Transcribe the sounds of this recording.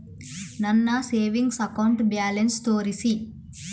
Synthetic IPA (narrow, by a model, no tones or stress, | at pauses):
nɐnːɐseːʋiŋɡsɐkɐwɳʈbjaːlenst̪oːɾisi